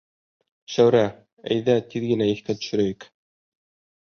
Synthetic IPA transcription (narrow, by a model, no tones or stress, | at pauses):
ʃæwɾæ | æ̰jðæt̪iðɡɘ̆næiθkæt̪ɵ̥̆ʃɵ̆ɾæjik